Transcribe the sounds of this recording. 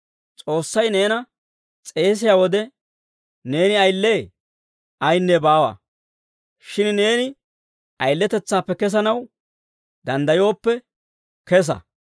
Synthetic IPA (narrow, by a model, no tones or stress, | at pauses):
t͡sʼo̞ːsːɐjne̞ːnɐ | t͡sʼe̞ːs̬ɪjaːwɔd̪ɛ | ne̞ːnɪɐjlːe̞ː | ʔɐjnːɛbaːwɐ̰ | ʃɪnne̞ːnɪ | ɐjlːɛt̪ɛt͡sːaːpːɛkɛs̬ɐnɐw | d̪ɐnd̪ɐjo̞ːpːɛ | kɛs̬ɐ̰